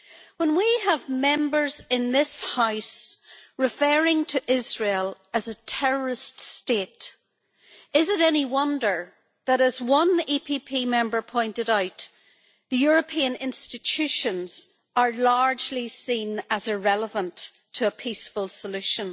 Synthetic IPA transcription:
wə̃nwiəvmɛ̃mbə˞zɪ̃nðɪshaʊsɹɪfɜɹɪ̃ŋtʰəʔɪzɹelˠ | əzətʰɛɹə˞ɪststeɾ | ɪzɪɾɛniwʌ̃ndə˞ | ðəɾəzwʌ̃nipʰipʰimɛ̃mbə˞pʰɔ̃ɪ̃ntɨɾaʊt̪ | ðəjʊɹəpʰĩə̃nɪ̃nstɪt͡ʃʰʉʃə̃nz̥ | ə˞laɹd͡ʒlisĩnəzəɹɛlˠəvə̃ntʰː | əːpʰisfəlˠsəlʉʃə̃n

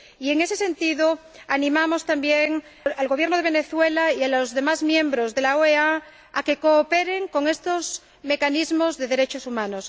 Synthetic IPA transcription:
ie̞ŋe̞se̞sẽ̞nt̪iðo | anĩmamo̞st̪ambjeŋ | alɣoβjeɾnoðeβ̞e̞ne̞θwe̞laialoozðe̞mazmjẽ̞mbɾozðe̞laoea | ake̞koːpeɾe̞ŋko̞ŋe̞st̪oz | me̞kanizmo̞zðeðe̞ɾe̞t͡ʃosumãnos

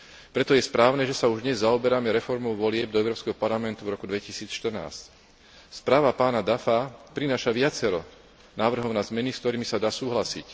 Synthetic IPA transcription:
pɾɛt̪ɔjɛspɾaːʊnɛʒɛsauʒd̪ɲɛzːaɔbɛɾamɛɾɛfɔɾmɔʊʋɔlɪɛb̚d̪ɔɛʊɾɔːpskɛɦɔpaɾlamɛnt̪uvɾɔkud̪ʋɛcisiːt͡sʃt̪ər̩na̰ːsc | spɾaːʋapaːnad̪afapɾinaːʃaʋɪat͡sɛɾɔ̰ | naːʋr̩ɦɔʊnaːzmɛniskt̪ɔɾiːmisad̪aːsuːɦlasḭc

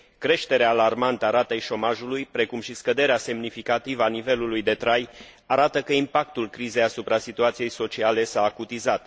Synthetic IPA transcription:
kɾe̞ʃt̪e̞ɾeaːlarmant̪əaɾat̪ejʃo̞maʒulujpɾe̞kumʃiskəd̪e̞ɾease̞mnifikat̪ivəanive̞lulujd̪e̞t̪ɾaj | aɾat̪əkəimpak̚t̪ulkɾize̞jasupɾasit̪uat̪sije̞jso̞t͡ʃiale̞saːkut̪izat̪

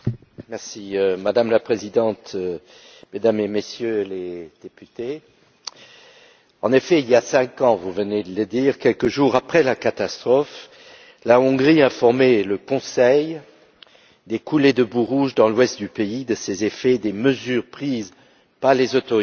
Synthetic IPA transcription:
mɛʁsiømad̪amlapχezid̪ɑ̃t̪ | med̪amemesjøled̪̥epyt̪e | ɑ̃nefɛiljasɛ̃kɑ̃vuvəned̪ələd̪iʁkʲɛlkəʒuʁapχɛlakat̪ast̪χɔf | laɔ̃ɡʁiɛ̃fɔʁmeləkɔ̃sɛj | d̪ekʰuled̪əbuʁuʒd̪ɑ̃lwɛst̪̚d̪ypeid̪əsezefɛd̪eməzyːʁpχiz | paʁlezot̪ɔʁi

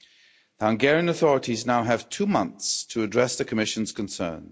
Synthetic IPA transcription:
ðihʌ̃ŋɡɛɹiə̃nəθɔɹətʰiznaʊəv̥tʰʉːmʌ̃nθstʰəːdɹɛsðəkʰəmɪʃə̃nz̥kʰə̃nsɜ̰̃ːn

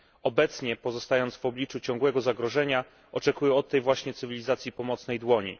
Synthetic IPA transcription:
ɔbɛt̪sɲɛpɔzɔst̪ajɔnt̪svɔblʲit͡ʂut͡ɕɔ̃ŋɡwɛɡɔzaɡɾɔʐɛɲa | ʔɔt͡ʂɛkujɛɔt̪ːɛjvwaɕɲɛt̪sɘvʲilʲizat̪sʲjipɔmɔt̪snɛjd̪wɔɲḭ

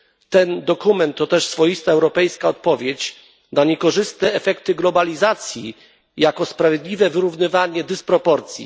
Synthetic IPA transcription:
t̪ɛnd̪ɔkumɛnt̪ːɔt̪ɛʂsfɔjist̪aɛwɾɔpɛjskaɔt̪̚pɔvʲjet͡ɕ | naɲɛkɔʐɘst̪ɛːfɛkt̪ɘɡlɔbalʲizat̪sʲjḭ | jakɔspɾavʲjed̪lʲivɛvɘɾuvnɘvaɲɛd̪ɘspɾɔpɔɾt̪sʲjḭ

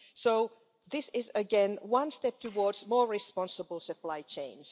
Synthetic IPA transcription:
soʊ | ðɪsɪzɨɡɛ̃nwʌ̃nstɛp̚tʰɨwɔɹdzmɔːɹɹɪspɑ̃nsəbəl̩ˠsɨpʰl̥aɪt͡ʃʰẽɪ̃nz̥

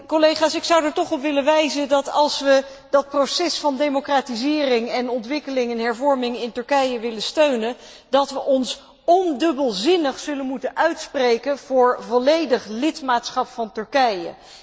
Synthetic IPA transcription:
kɔlejχaːsɪksʌwdəɹtɔχɔpʋɪləʋɛjzədɑtɑlˠsʋə | dɑt̚prosɛsfɑndejmokraːtizɪːrɪŋɛnɔntʋɪkəlɪŋɛnɦɛɹvɔɹmɪŋɪntɵɹkɛjəʋɪləstøɥnən | dɑtʋəʔɔns | ɔndɵbəlˠzɪnəχsɵlənmutənʔœɥtsprejkənvʊːɹvɔlejdəχlɪtmaːtsχɑpfɑntɵɹkɛjə̰

